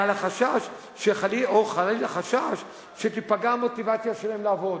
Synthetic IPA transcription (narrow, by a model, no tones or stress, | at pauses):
alaχaʃaʃ | ʃeχalioχalelaχaʃaʃ | ʃet̪ipaɡamo̞t̪ivat͡sijaʃelaɦemlaːvo̞d̪